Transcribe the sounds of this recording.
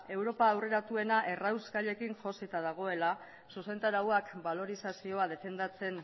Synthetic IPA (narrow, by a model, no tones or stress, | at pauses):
e̞wɾo̞paːwre̞ɾat̪ue̞naʔe̞rawskaʎe̞kinʝo̞sit̪aðaɣ̞o̞e̞la | suse̞nt̪aɾawakbalo̞ɾisasio̞að̞e̞fe̞nd̪at͡se̞n